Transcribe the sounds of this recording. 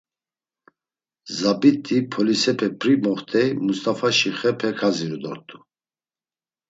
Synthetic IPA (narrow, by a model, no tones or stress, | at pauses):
zabit̪ʼipʰɔlisɛpʰɛpʰɾimɔχt̪ʰʼɛjmust̪ʼafaʃiχɛpʰɛkʰaziɾud̪ɔ̰ɾt̪ʰʼu